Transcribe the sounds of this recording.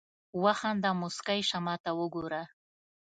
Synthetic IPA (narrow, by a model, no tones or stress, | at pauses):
waxand̪amuskajʃamɑt̪awəɡoɾa